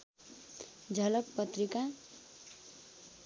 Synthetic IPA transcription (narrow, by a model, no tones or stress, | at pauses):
d͡zʱʌlʌkpʌt̪rika